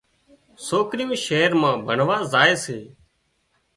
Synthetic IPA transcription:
soːkɾɪjõːʃeːɾmãːbʱəɳʋaːzaːeːseː

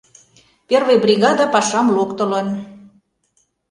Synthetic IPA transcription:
pervejbrʲiɣɑd̪ɑpɑʃɑmlokt̪ə̆lə̆n

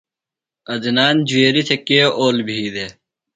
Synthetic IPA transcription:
ɐd̪inaːnd͡ʑueːɾit̪ʰekeːoːlbʱiːd̪e

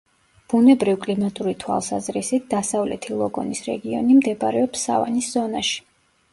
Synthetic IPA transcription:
b̥unɛbɾivkʼlimat̪ʼuɾit̪ʰwa̰lˠsazɾisit̪̚ʰd̪̥asavlɛ̰t̪ʰilˠɔɡɔnisɾɛ̰ɡiɔ̰nimd̪ɛbɾɛɔpsa̰va̰nisz̥ɔnaʃi̥

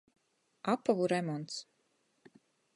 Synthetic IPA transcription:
apːavuɾɛmɔnt̪s

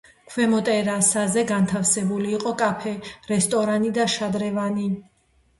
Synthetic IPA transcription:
kʰwɛmɔt̪ʼɛɾasazɛɡant̪ʰafsɛbuliːqʼɔkʼapʰɛɾɛst̪ʼɔɾanid̪aʃad̪ɾɛvani

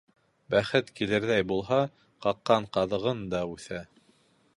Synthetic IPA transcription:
bæχɘt̪kilɘ̆ɾðæjbulˠɦɑ | qɑqːɑɴqɑðɤ̆ʁɤnd̪ɑʉθæ

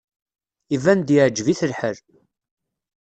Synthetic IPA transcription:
ivænd̪iʕd͡ʒviθəlħəɾ

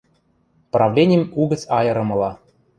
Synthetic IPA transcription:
prɑvlʲenʲɪjəmuɡə̆t͡sʲɑjɤ̆ɾɤ̆mɤ̆lˠɑ

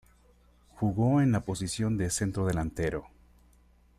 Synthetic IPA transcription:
xuɣoenlapo̞sisjo̞nd̪ese̞nt̪ɾo̞ðe̞lant̪e̞ɾo

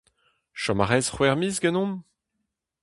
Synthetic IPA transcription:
ʃɔmaʁɛzχwɛʁmizɡanɔ̃m

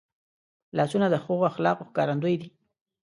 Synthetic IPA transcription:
lɑsunad̪əxoɣoaxlɑqoxkɑɾand̪ojd̪i

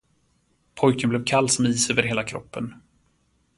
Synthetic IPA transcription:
pʰɔjkənblɛːvkʰalːsɔmiːsøːvəɾɦeːlakʰɾɔpːən

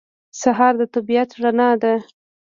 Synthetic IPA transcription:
saɦɑɾd̪ət̪abijat̪ʐanɑd̪a

